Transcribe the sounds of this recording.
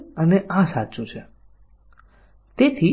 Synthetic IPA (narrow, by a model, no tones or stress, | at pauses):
əneʔãsat͡ʃũt͡ʃʰe | t̪et̪ʰi